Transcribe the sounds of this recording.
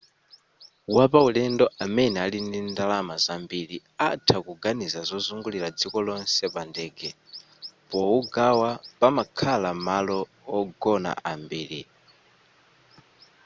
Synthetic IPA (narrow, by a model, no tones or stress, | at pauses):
wapaulɛndɔʔamɛnɛalindindalamazambiɾi | atʰakuɡanizazɔzuŋɡuliɾad͡zikɔlɔnsɛpandɛːɡɛ | pɔuɡawapamakʰalamalɔː | ɡɔna̰ʔambiːli